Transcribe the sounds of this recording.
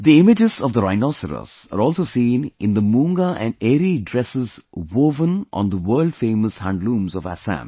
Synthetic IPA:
d̪iɪmɪd͡ʒɪz̥ɔvd̪əɾaɪnɔsəɾə̰sə̰ɾɔːlˠsoːsĩːnɪ̃nd̪əmũːŋɡaʔɛ̃neːɾidɹɛsɪzwoːvə̃nʔɔ̰̃nd̪əwəːlɖfẽːməshæ̃nɖlũːmzɔvæ̰sæ̰̃n

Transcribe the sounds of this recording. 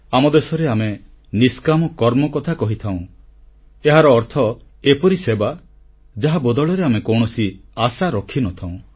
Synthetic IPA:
amɔd̪esɔɾeame | niskamɔkɔɾmɔkɔt̪ʰakɔɦit̪ʰaw̃ | eɦaɾɔːɾt̪ʰɔ | epɔɾiseba | d͡ʒaɦabɔd̪ɔɭɔɾeamekɔwɳ̃ɔsiasaɾɔkʰinɔt̪ʰaw̃

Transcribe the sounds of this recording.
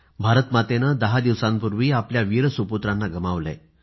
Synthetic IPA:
bʱaɾət̪mat̪enəd̪əɦad̪iʋsãmpuɾʋiːapljaʋiɾəsuput̪ɾanːaɡəmaʋlḛ

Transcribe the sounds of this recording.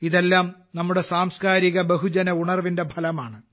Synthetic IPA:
iðe̞lːaːm | nɐmːuɽe̞saːmskaːɾiɣɐbɐɦud͡ʑɐnɐuɳɐrʋinde̞bʱɐlɐmaːɳɨ

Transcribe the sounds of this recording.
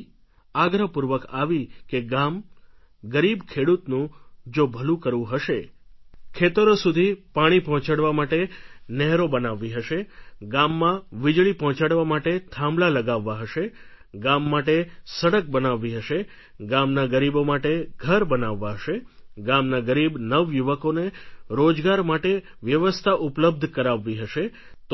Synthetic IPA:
aɡɾəpuɾʋəkaʋikeɡam | ɡəɾibkʰeɽut̪nũd͡ʒobʱəlũkəɾʋũɦəʃe | kʰet̪əɾosud̪ʱipaɽ̃ipɔɦɔ̃t͡ʃaɽʋamaʈenɛɦɾobənaʋːiɦəʃeɡamːãʋid͡ʒɭipɔɦɔ̃t͡ʃaɽʋamaʈet̪ʰãmlaləɡaʋːaɦəʃeɡamːaʈesəɽək̚bənaʋːiɦəʃe | ɡamnaɡəɾibomaʈeɡʱəɾbənaʋːaɦəʃeɡamnaɡəɾibnəʋjuʋəkoneɾod͡ʒɡaɾmaʈe | ʋjəʋəst̪ʰaʔupləb̚d̪ʱkəɾaʋːiɦəʃe | t̪

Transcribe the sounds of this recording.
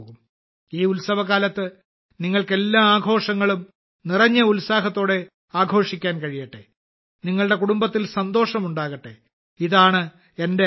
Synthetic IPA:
ɣum | iːulsɐʋɐkaːlɐt̪ːɨ | niŋːɐɭke̞lːaːaːɡʱo̞ːʂɐŋːɐɭum | nirɐɲːɐulsaːɦɐt̪ːo̞ːɽe̞ | aːɡʱo̞ːʂikʲːaːnkɐɻijɐʈːe̞̰ | niŋːɐɭɽe̞kuɽumbɐt̪ːilsɐnd̪o̞ːʂɐmuɳɖaːɣɐʈːe̞̰ | iðaːɳɨ | e̞nde

